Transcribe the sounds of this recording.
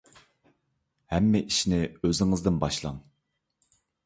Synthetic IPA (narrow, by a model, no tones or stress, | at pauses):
hɛmːɛʔiʃnɪøzɪŋɨzd̪ɪnbɑʃlˠɑ̰ŋ